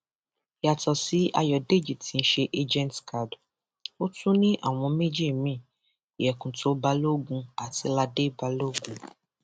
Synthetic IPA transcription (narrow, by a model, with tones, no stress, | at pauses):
a˨tɔ˨si˨˦a˧jɔ˨de˦d͡ʒi˨tʰi˨˦n̩˦ʃe˧ʔe˦d͡ʒɛ̃˦n˨tkʰa˨d | o˦tʰũ˦nĩ˦ʔa̰˦˨w̃ɔ̃˧˦me˦d͡ʒi˦e˦˨mĩ˦˨ | i˨jɛ˨kũ˨tʰo˨˦ba˧˦lo˦ɡũ˧a˨ti˧˦la˧de˦ba˧lo˦ɡũ˧